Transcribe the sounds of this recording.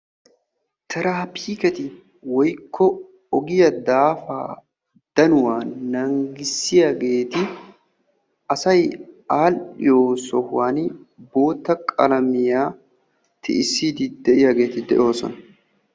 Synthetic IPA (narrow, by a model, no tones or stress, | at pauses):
t̪ʰɐɾaːpʰiːkɛt̪ɪ | wɔjkːɔ | ɔɡɪjɐd̪aːfa̰ː | d̪̥ɐnʊwaːnɐŋɡɪsːɪjɐɡe̞ːt̪ɪ | ʔɐsɐjaːlɪ̰jo̞ːsɔhwaːnɪ | bo̞ːt̪ːɐkʼɐlɐmɪjaː | t̪ʰɪ̰ʔɪsːiːd̪ɪd̪ɛʔɪjɐɡe̞ːt̪ɪd̪ɛʔo̞ːsɔ̰nɐ